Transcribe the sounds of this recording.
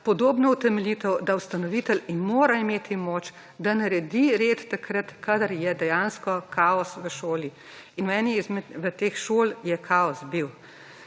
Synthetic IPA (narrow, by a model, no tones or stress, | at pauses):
pɔd̪oːbnɔut̪ɛmɛlit̪ɛwd̪awst̪ɐnɔʋit̪ɛlinmoːɾaimeːt̪ʰimoːt͡ʃ | d̪anɐɾɛd̪iɾeːt̪ːakɾɐt̪kad̪ɐɾjɛd̪ɛjanskɔkʰaːɔsʋəʃoːli | inwɛnizmʋət̪eːxʃoːljɛkʰaɔsbiw